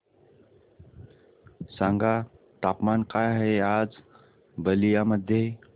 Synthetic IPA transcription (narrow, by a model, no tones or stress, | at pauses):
sãŋɡa | t̪apmankajɦead͡z | bəlijaməd̪ʱːje